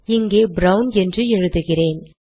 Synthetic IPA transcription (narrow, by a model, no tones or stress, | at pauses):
ɪŋɡeːbɾɐʊnɛndrɯɛɻɯðɯɣɪreːn